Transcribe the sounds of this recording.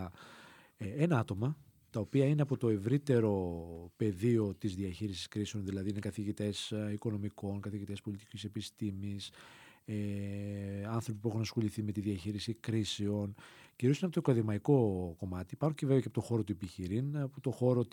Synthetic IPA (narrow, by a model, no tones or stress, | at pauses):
enɐɐt̪o̞mɐ | t̪ɐopiɐineɐpo̞t̪o̞e̞vɾit̪e̞ɾo̞pe̞ðio̞t̪izðiɐçiɾisi̥skɾise̞o̞nðilɐðiine̞kɐθiʝit̪e̞siko̞no̞miko̞nkɐθiʝit̪e̞spo̞lit̪i̥cise̞pist̪imise | ɐnθɾo̞p̬ipue̞xunɐsxo̞liθime̞t̪iðiɐçiɾisikɾiseo̞nciɾusinɐpot̪ɐkɐðimɐiko̞ko̞mɐt̪ipɐɾuceve̞veceɐpo̞t̪o̞xo̞ɾo̞t̪uepiçiɾinput̪o̞xo̞ɾo̞